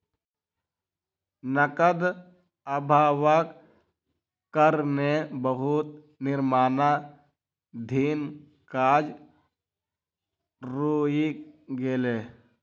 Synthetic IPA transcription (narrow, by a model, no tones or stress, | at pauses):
nəkəd̪ | əbʱaːwək | kəɾnebəɦut̪ | nɪɾmaːna | d̪ʱiːn | kaːd͡ʒ | ɾoːjikɡeleː